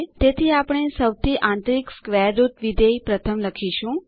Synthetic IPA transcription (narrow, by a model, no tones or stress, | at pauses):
t̪et̪ʰiapɳ̃esəʋt̪ʰiʔãnt̪ɾikskʋeɾːut̪ʋid̪eipɾət̪ʰəmləkʰiʃũ